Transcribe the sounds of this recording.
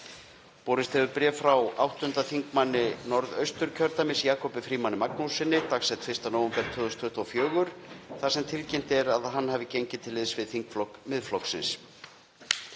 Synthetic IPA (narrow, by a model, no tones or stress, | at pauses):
poːɾɪst̪hɛvʏpɾɛːffɾawawht̪ʏnt̪aθiŋkmanːɪnɔɾðœɥst̪ʏɾ̥cʰœɾt̪amɪsjaːkʰɔpɪfɾiːmanːɪmaknusɪnːɪt̪aksɛt̪fɪst̪anowʏmpɛɾt̪ʰːʏːðʏst̪ʰʏht̪afjœːɣʏɾ̥θasɛmt̪ʰɪlcɛjm̥t̪ɛɾaðɦanːɦaːvɪcejɲcɪt̪ʰɪlːɪðsvɪðθiŋkflɔkmɪðflɔksɪ̰ns